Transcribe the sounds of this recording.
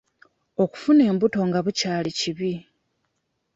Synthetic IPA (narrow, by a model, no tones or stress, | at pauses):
o̞ku̥fune̞ːmbuto̞ŋɡaβucaːliciβi